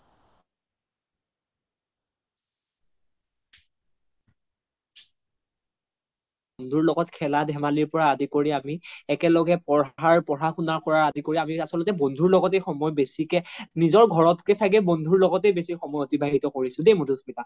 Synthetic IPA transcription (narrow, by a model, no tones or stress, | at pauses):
bondʱuɹlɔɡɔtkʰɛladʱɛmaliɹpɔɹaːdikoɹiamiɛkɛlɔɡɛpɔɹɦɦaɹpɔɹaxunaɹkɔɹaɹadikoɹiamiasɔlɔtɛbondʱuɹlɔɡɔtejxɔmɔjbesikɛnizɔɹɡʱɔɹɔtkɛsaɡɛbondʱuɹlɔɡɔtejbesixɔmɔjotibʱaɦitɔkoɹisʊ̃dejmodusmita